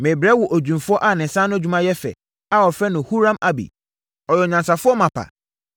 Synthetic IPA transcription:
mẽ˨bɾɛ˦wʊ˨ʔo˨d͡ʑᶣũ˨mfʊ˦ɔ˦ʔa˨nɪ̃˨sã˦nʊ̃˦æ˦d͡ʑᶣu˦mã˦jɛ˦fɛ̰˨ | a˦ɔ˨fɾɛ˦nʊ̃˨hu˦ɾã˦ma˦bḭ˨ | ɔ˨jɛ˨ɲã˨nsa˨fʊ˦ɔ˦mã˨pʰa̰˨

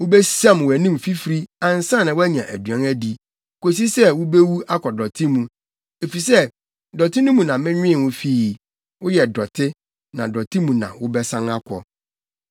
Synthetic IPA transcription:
wʊ˦bɛ˦sã˦˨m˨wæ˨nĩ˦m˨fi˦fɾi˦ã˨n̩˨sã˦˨nã˨wʊ˦æ˦ɲã˨ʔæ˨dɥã˨˦ŋæ˦di˨ | ko˨s̬i˦sɛ˦wʊ˦be˦wu˦a˦kʰɔ˨dɔ˨tʰɪ˦mũ˨ | e˨fi˨s̬ɛ˦ | dɔ˨tɪ˦nʊ̃˦mũ˨nã˨mɪ̃˦ɲᶣʊ̃˦ɪ˦˨wʊ̃˦fi˦˨ | wʊ˦jɛ˨dɔ˨tʰɪ˦ | nã̰˨dɔ˨tʰɪ˦mũ˨nã̰˨wʊ˦bɛ˦sã˦ŋa˦kʰʷɔ̰˨

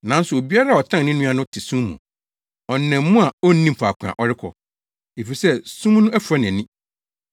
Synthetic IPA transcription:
nã˨˦n̩˦sʊ˨o˨bi˦a˦ɾa˦˨ɔ˨tʰã˦ŋnɪ̃˦nũ˦a˦nʊ̃˦tʰɪ˨sũ˦m˦mṵ̃˨ | ɔ˨nːɛ̃˨m˦mũ˦a˨ɔ˦nĩ˦m˨pʰa˨kʷʰʊ̃˨ã̰˨ʔɔ˦ɾɪ˦kʰɔ̰˨ | e˨fi˨sɛ˦sũ˦mnʊ̃˦æ˦fu˨ɾa˦nɛ̃˨nĩ˦

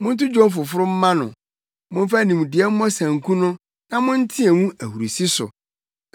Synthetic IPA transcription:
mʊ̃˦n̩˦tʊ˦d͡ʑᶣɔ̃˦m˦fʊ˨fʊ˦ɾʊ˦m̩˦mã˦nʊ̰̃˨ | mʊ̃˦m˦fa˦˨nĩ˨m˨dɪ˨ɛ˦m̩˦mɔ˦sæ̃˨ŋ̩˨kʰũ˦nʊ̃˦ | nã˦mʊ̃˦n̩˦tʰɪ̃˦ɛ˨wũ˦æ˨hu˨ɾu˨si˦sʊ̰˨

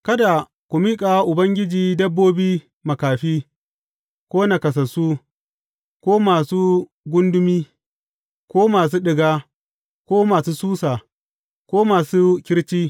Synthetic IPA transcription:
kɐ˦da˨ | kʷu˨miː˦kʼa˨wa˦ʔʊ˨bɐ˦ŋɡʲɪ˦d͡ʒiː˨dɐ˦bːoː˦biː˦ | mɐ˨kaː˨ɸiː˦ | kʷoː˦na˨kɐ˨s̬ɐ˨suː˦ | kʷoː˦maː˨suː˦ | ɡʷʊ˦ndʊ˦miː˦ | kʷoː˦maː˨s̬uː˦ɗɪ˨ɡaː˦ | kʷoː˦maː˨suː˦suː˦saː˨ | kʷoː˦maː˨suː˦kʲɪ˦ɽt͡ʃiː˦

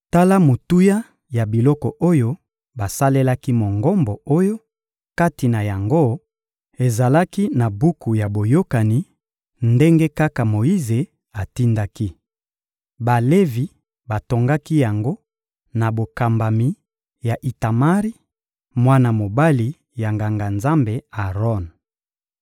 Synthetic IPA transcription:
ta˦la˦mo˨tu˦ja˦ | ja˨bi˨lɔ˦kɔ˨ʔo˦jo˦ | ba˨sa˦le˦la˦ki˦mo˨ŋɡɔ˦mbɔ˨o˦jo˦ | ka˦ti˨na˨ja˨ŋɡo˦ | e˨za˨la˦ki˦na˨bu˦ku˨ja˨bo˨jo˦ka˨ni˨ | nde˦ŋɡe˦ka˦ka˨mo˨i˦ze˨ | a˨ti˦nda˦ki˦ | ba˨le˦vi˨ | ba˨to˨ŋɡa˦ki˦ja˨ŋɡo˦ | na˨bo˨ka˨mba˨mi˨ | ja˨ʔi˨ta˨ma˦ʁi˦ | mwa˦na˨mo˨ba˦li˨ | ja˨ŋɡa˨ŋɡa˨nza˦mbe˨a˨ʁɔ˦˨n

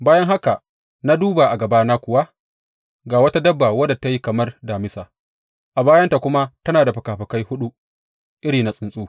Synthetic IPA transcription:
baː˦jɐ˦ŋɦa˦ka˨ | na˦duː˦ba˨ʔa˨ɡɐ˨baː˦na˦kʷʊ˨wa˦ | ɡaː˨wɐ˦ta˦dɐ˦bːa˨wɐ˦da˨ta˦ji˦kɐ˨mɐ˦rdaː˨mɪ˦saː˨ | ʔa˨baː˦jɐ˦nta˨kʷʊ˦ma˦tɐ˦naː˨da˨ɸɐ˨kaː˨ɸɐ˨ka˦jhʊ˦ɗu˦ | ʔɪ˦ɽiː˨na˨sʼɪ˦nsʼuː˦

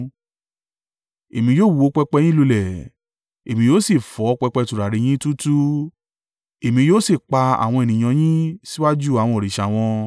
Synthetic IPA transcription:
e˨mĩ˧joː˦˨wu˨˧o˦k͡pɛ˧k͡pɛ˧j̃lu˧lɛ˦˨ | e˨mĩ˧joː˦si˦˨fɔ˨˦˧k͡pɛ˧k͡pɛ˧tu˨ɾa˨ɾi˨˧j̃ĩ˦tu˦tu˦ | e˨mĩ˧joː˦si˦˨k͡pa˧a̰˨w̃ɔ̃˧e˨nĩ˨j̃ã˧j̃ĩ˦si˦wa˦d͡ʒu˦˨a˨wɔ̃˧˦ɔ˨ɾi˨ʃa˨w̃ɔ̃˧

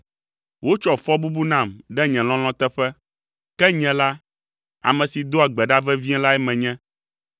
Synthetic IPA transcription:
wo˦t͡ʃɔ˨fɔ˦bu˦bu˦nã˨mɖɛ˦ɲɛ̃˨lɔ̃˦l̃ɔ̃˦t̪ɛ˦ɸɛ˦ | kɛ˦ɲɛ̃˨la˦ | a̰˨mɛ̃˨si˨d̪o˦a˨ɡ͡bɛ˨ɖa˦vɛ˦vi˦ɛ̃˦la˦ɛ˦mɛ̃˨ɲɛ̃˦

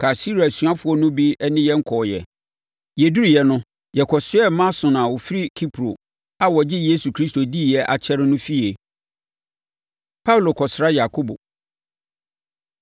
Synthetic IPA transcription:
kʰa˨si˦ɾa˨su˨a˦fʊ˨˦ɔ˦nʊ̃˦bi˦nɪ̃˦jɛ˦ŋ̩˦kʰɔː˨jɛ̰˨ | jɛ˨du˦ɾi˨jɛ˨nʊ̃˦ | jɛ˨kʰɔ˨sɪ˦ɛ˦mã˦sʊ̃˨nã˨wʊ˨fi˦ɾi˦kʰi˦pʰɾo̰˨ | a˦wɔ˨d͡ʑɪ˦je˦su˨kʰɾi˦sto˨di˦˨jɛ˦ʔa̰˨t͡ɕʰɛ˦ɾɪ˦nʊ̃˦fi˦e˨ | pʰa˦u˨lo˨kʰɔ˨sɾa˦ja˨kʰo˦bo̰˨

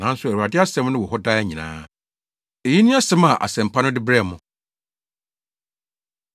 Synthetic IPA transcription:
nã˨˦n̩˦sʊ˦æ˨wu˨ɾa˨dɪ˦a˦sɛ̃˦m˦nʊ̃˦wɔ˨hɔ˦da˦æ˦ɲĩ˨nã̰ː˦ | e˨ji˦nĩ˦a˦sɛ̃˦ma˨ʔa̰˨sɛ̃˨m̩˨pʰa˦nʊ̃˦dɪ˦bɾɛ˦˨mʊ̃˨

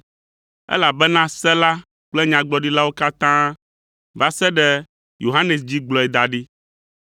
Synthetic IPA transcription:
ɛ̰˦la˨bɛ˦nã˦sɛ˦la˦ | k͡plɛ˦ɲã˨ɡ͡bɔ˦ɖi˦la˦wo˦ka˦t̪ã˦ | va˦sɛ˦ɖɛ˦ | jo̰˨ɦa˦ne˨s̬d͡ʑi˦ɡ͡blɔ˨ɛ˨d̪a˨ɖi˦

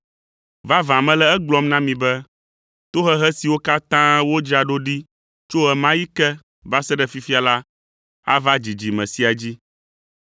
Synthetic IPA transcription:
va˦vã˨mɛ̃˦lɛ˦ɛ˦ɡ͡blɔ˦mnã˦mĩ˨bɛ˦ | t̪o˦ɦɛ˦ɦɛ˦si˨wo˦ka˦t̪ã˦wo˦d͡ʒa˨ɖo˦ɖi˦ | t͡ʃo˦ɛ˨mã˦ji˦kɛ˦ | va˦sɛ˦ɖɛ˨fi˦fi˦a˨la˦ | a̰˦va˦d͡ʑi˨d͡ʑi˨mɛ̰̃˨si˦a˨d͡ʑi˦

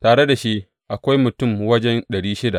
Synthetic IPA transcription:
taː˨ɽe˦da˨ʃi˦ʔ | ʔa˨kʷa˦jmʊ˨tʊ˦˨mwɐ˦d͡ʒɛ˦nɗɐ˨ɽiː˦ʃɪ˦da˨ʔ

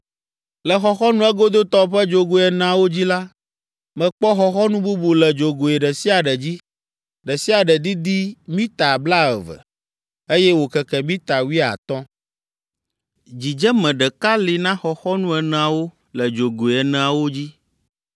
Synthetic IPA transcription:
lɛ˨xɔ˨xɔ˦nũ˦ɛ˦ɡo˦d̪o˦t̪ɔ˦ɸɛ˦d͡ʒo˨ɡo˨ɛ˨ñ˨a˨wo˦d͡ʑi˦la˦ | mɛ̃˨k͡pɔ˦xɔ˦xɔ˦nũ˦bu˦bu˨lɛ˨d͡ʒo˨ɡo˨ɛ˨ɖɛ˨si˦a˨ɖɛ˨d͡ʑi˦ | ɖɛ˨si˦a˨ɖɛ˨d̪i˦d̪i˦mĩ˦t̪a˨bla˦ɛ̰˨vɛ̰˨ | e˦jɛ˦wo˨kɛ˨kɛ˨mĩ˦t̪a˨wi˦˨a̰˨t̪ɔ˦ | d͡ʑi˨d͡ʒɛ˦mɛ̃˨ɖɛ˨ka˦li˨nã˦xɔ˨xɔ˦nũ˦ɛ˨ñ˨a˨wo˦ | lɛ˨d͡ʒo˨ɡo˨ɛ˨nɛ̃˨a˨wo˦d͡ʑi˦

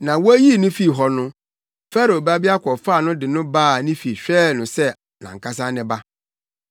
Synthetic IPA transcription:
nã˨wɔ˦æ˦ji˦˨nʊ̃˦fi˦ɦɔ˨nʊ̃˦ | fɛ˦ɾo˨ba˦bi˦a˦kʷʰɔ˨fa˦˨nʊ̃˦dɪ˨nʊ̃˦baː˦˨nɪ̃˦fi˨ɕᶣɛː˦˨nʊ̃˨sɛ˦ | nã̰˨ŋ̩˨kʰa˦s̬ã˦nɪ̃˦ba˦

